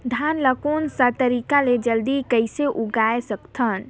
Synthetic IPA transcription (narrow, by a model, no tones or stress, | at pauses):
d̪ʱanləkonsat̪əɾikaled͡ʒəld̪ikəjseʔuɡaesəkt̪ʰən